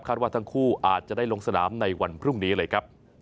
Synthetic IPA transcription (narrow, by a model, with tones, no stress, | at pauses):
aː˥˩t̪̚waː˥˩t̪ʰa˥ŋkʰuː˥˩ʔaː˨˩t̪̚t͡ɕa˨˩daː˥˩jlo˧ŋsa˧naː˩˦mna˧jwa˧npʰɾu˥˩ŋniː˦˥lɤː˧jkʰɾa˦˥p̚